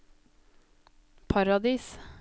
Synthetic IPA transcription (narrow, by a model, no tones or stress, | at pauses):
pʰɑɾɑd̪iːs